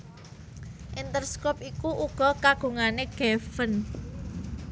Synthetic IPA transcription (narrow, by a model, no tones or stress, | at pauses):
ʔint̪ərskɔp̚ikuʔuɡ̥ɔ̤kaɡ̥o̤ŋaneɡ̥ɛfən